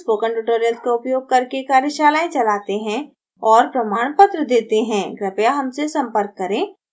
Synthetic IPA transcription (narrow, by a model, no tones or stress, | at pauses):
spoːkəɳʈuʈoːɾijəlskaʊpjoːɡ̚kɐɾkekaːɾjəʃaːlaːẽt͡ʃɐlaːt̪eɦɛ̃ | ɔːɾpɾɐmaːɽ̃pət̪ɾəd̪eːt̪eɦɛ̃ːɡɾɐpjaɦɐmsesɐ̃mpəɾkːɐɾẽː